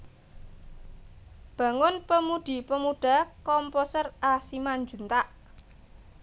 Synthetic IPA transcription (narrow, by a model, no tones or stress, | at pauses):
b̥ä̤ŋʊnpəmud̪̥i̤pəmuɖ̥a̤kɔmposərʔasimaɲd͡ʒṳnt̪aʔ